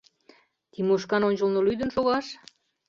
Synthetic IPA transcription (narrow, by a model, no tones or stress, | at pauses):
t̪imuʃkɑnonʲʒəlnolyd̪ə̆nʃoɣɑʃ